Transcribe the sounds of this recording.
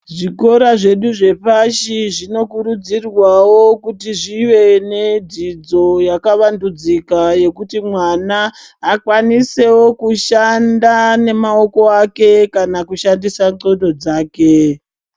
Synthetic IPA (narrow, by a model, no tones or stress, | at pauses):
ʐiko̞ɾaʐe̞ɗuʐe̞paʃiʐino̞kuɾud͡zirwawo̞kutiʐiʋe̞ne̞did͡zo̞jakaʋandud͡zikaje̞kutimwanaː | kwanise̞wo̞kuʃandane̞mao̞ko̞ake̞kanakuʃandisaŋ͡ǀo̞do̞d͡zaːke̞